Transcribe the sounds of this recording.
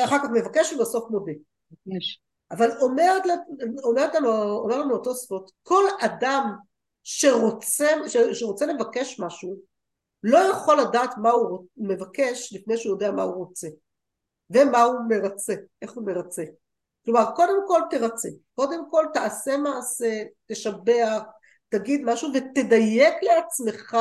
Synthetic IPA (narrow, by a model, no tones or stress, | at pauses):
aχalkaχme̞vakeʃvibaso̞fmobe | vkeʃ | ʔavalomeʁetlaomeʁet̪lanuomʁtlanuoto̞sfotko̞ladam | ʃe̞ʁot͡seʃeʃeʁo̞t͡sele̞vakeʃmaʃu | lo̞jaχo̞lːadaːtmauʁome̞vake̞ʃlifnejʃeujo̞deamauʁo̞t͡se̞ | ve̞maume̞ʁat͡se̞e̞χume̞ʁat͡se̞ | klo̞maʁko̞de̞mko̞lteʁat͡se̞ko̞d̪e̞mko̞ltaase̞maːse̞te̞ʃabeaχ | t̪aɡid̪maʃuvete̞dajekle̞at͡sme̞χa